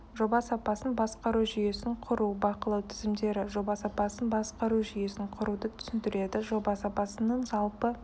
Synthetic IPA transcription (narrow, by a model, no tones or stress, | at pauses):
ʒo̞bɑsɑpɑsənbɑsqɑɾuʒʏje̞sɪɴqʰʊɾubɑqəlˠɑwt̪ʰɪzɪmd̪e̞ɾɪʒo̞bɑsɑpɑsənbɑsqɑɾuʒʏje̞sɪŋqʰʊɾud̪ət̪ʰʏ̥sɪnd̪ɪɾe̞d̪ɪʒo̞bɑsɑpɑsənːəɴzɑlˠpə